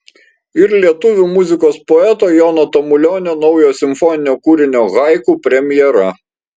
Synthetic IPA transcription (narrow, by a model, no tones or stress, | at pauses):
ɪɾlʲiɛt̪ʊʋʲuːmʊzʲɪkoːspɔɛt̪oːjɔnot̪ɔmʊlʲoːnʲoːnɔʊjoːsʲɪmfɔnʲɪnʲoːkuɾʲɪnʲoːɣɑˑɪkuːpʲɾʲɛmʲjɛɾɐ